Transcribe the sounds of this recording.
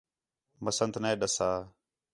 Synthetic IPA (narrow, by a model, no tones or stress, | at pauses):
məsənt̪ʰneːɗəsaː